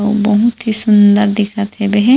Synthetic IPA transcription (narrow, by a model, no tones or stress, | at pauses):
obɐɦʊt̪ɦisʊnd̪əɾd̪ɪkʰat̪ʰebeɦɛ̃